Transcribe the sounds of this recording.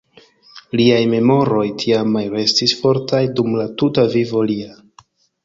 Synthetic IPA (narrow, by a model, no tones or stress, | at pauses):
liajme̞mo̞ɾo̞jtʰiamːalɾe̞stisfo̞ɾtajdumlatutavivo̞lia